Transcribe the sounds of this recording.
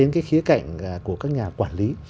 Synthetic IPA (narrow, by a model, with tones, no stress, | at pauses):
e˨˦nkaː˨˦jxi˨˦əka̰˧˨jŋ̟˨˩ku˧˩əkaː˦˥k̚ɲaː˨˩kwaː˧˩nli˨˦